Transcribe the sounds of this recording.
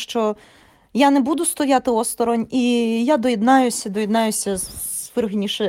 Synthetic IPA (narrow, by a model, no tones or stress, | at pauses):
ʃt͡ʃɔ | janɛbud̪ʊst̪ɔjat̪ɪɔst̪ɔɾɔnʲijad̪ɔjed̪nɑjʊsʲɐd̪ɔjed̪nɑjʊsʲɐʋɪrɦenʲiʃɛ